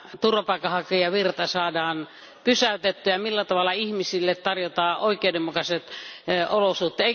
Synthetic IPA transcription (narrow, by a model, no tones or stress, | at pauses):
t̪urʋɑpɑˑikːˑɑhɑkejɑʋirt̪ɑsɑːdɑːn | pysæyt̪et̪ːyæjɑmilːæt̪ɑʋɑlːˑɑihmisilːet̪t̪ɑrjot̪ɑːʔoˑikˑeudemːukɑset̪olosuht̪ːˑeeˑi